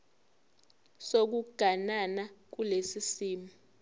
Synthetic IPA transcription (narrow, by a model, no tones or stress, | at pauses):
sok̬uɡ̥ʱananak̬ulesisiːmi